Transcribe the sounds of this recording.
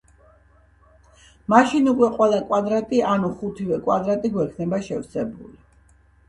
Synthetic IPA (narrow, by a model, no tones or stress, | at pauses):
maʃinukʼwɛqʼwɛlakʼwad̪ɾat̪ʼianuχut̪ʰivɛkʼwad̪ɾat̪ʼiɡwɛkʰnɛbaʃɛvsɛbṵli